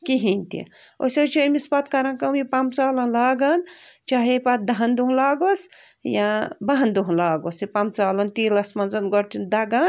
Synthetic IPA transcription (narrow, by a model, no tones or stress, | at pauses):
kiɦinʲt̪ḭo̰set͡ʃʰimispɐt̪kɐɾɐnkɐmipamt͡saːlɐnlaːɡɐnt͡ʃaːɦepat̪̚d̪ɐɦɐnd̪uɦũlaːɡos | jabaɦnd̪uɦlaːɡosipamt͡saːlɐnt̪iːlɐsmɐnzɐnɡɔɽt̪ʰind̪ɐɡɐn